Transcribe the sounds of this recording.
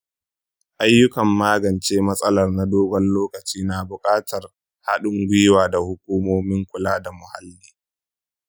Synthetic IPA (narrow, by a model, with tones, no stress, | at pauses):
ʔa˦jːʊ˦kɐ˨mːaː˦ɡɐ˨nt͡ʃeː˦mɐ˦sʼɐ˦lɐ˨rna˦doː˦ɡɔ˦nloː˦kɐ˨t͡ʃiː˦naː˨bʊ˨kʼaː˦tɐ˨r | ha˦ɗʊ˦ŋɡʷɪ˦waː˨da˨hʊ˦k̚ʷuː˦moː˦mɪ˦ŋkʷʊ˨laː˦da˨mʊ˨ha˦lːiː˦